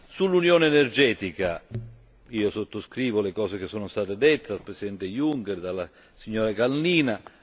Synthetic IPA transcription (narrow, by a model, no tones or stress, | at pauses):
sulːunjɔːneɛnerd͡ʒɛːt̪ika | iːosot̪ːoskɾiːvolekɔːsek̟esːɔːnʊst̪aːt̪ed̪et̪ːed̪alpɾesid̪ɛnt̪ejuŋkɛrd̪alːa | siɲːɔːɾakalːiːna